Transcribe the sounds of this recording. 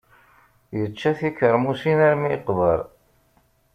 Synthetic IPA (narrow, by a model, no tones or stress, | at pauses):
jət͡ʃːæθikəɾˤmusinæɾmiqvəɾ